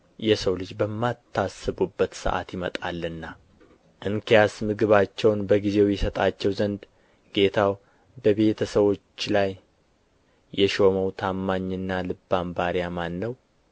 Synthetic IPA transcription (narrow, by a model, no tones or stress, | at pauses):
jɛsəwlɨd͡ʒbəmːat̪ʰːasːɨβubːət̪sɨ̰ʔa̰t̪jɪmə̰t̪ʼa̰lːɨnːa | ʔɨŋkʰijasmɨɡɨβat͡ʃːɛwnbəɡize̞wjɛsət̪ʼat͡ʃːɛwzənd̪ | ɡ̥e̞t̪ʰaw | bəβe̞t̪ʰəsəβo̞t͡ʃːlaj | ɛʃo̞məwt̪ʰamːaɲːɨnːalɨbːambaɾijamanːəw